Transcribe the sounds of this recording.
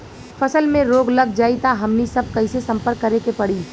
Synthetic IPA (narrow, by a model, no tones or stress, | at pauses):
fɐsəlmẽɾoːɡlɐɡ̚d͡ʒaːit̪aɦɐmnisɐb̚kɐisesɐ̃mpəɾkːɐɾekepɐɽiː